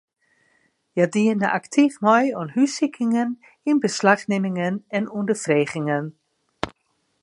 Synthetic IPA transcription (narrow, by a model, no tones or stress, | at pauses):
jadiənəʔa̰ktʰifmɔjɔnhysikʰɪŋən | inbəslaxnemɪŋənɛnundəfreːχɪŋən